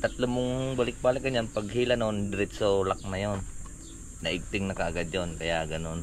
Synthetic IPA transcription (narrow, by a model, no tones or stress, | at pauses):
t̪ɐt̪lomʊŋbɐlɪk̚baːlɪkɐɲɲanpɐɡɦiːlanond̪ɾɪt̪solak̚nɐjonː | ɐʔɪɡ̚t̪ɪŋnɐkɐʔaɡad̪̚jonkɐjaʔɡɐnon